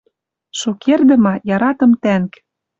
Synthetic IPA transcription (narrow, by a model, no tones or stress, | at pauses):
ʃukʰerd̪ə̆mɑjɑɾɑt̪ɤ̆mt̪æŋk